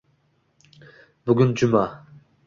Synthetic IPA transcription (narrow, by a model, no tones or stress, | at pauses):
bʊɡʲʊnd͡ʒʊma